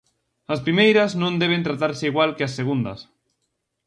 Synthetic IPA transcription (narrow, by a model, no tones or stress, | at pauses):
ɐspɾimejɾaznõnd̪eβ̞ẽnt̪ɾat̪aɾseiɣwalkeasːeɣ̞und̪ɐ̰s